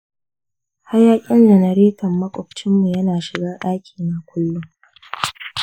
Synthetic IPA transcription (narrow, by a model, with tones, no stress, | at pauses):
ha˦jaː˦kʲʼɪ˦nd͡ʒɐ˨nɐ˨ɾiː˦kɐ˨mːɐ˦kʷʼɔ˨p̚t͡ʃɪ˦mːu˨jɐ˦naː˨ʃɪ˨ɡaː˦ɗaː˦kʲʰi̥ː˨na˨kʷʰʊ˦lːʊ˦ŋ